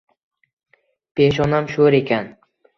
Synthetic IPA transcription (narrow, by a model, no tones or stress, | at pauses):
pʰeʃɒnamʃoɾe̞kʲʰan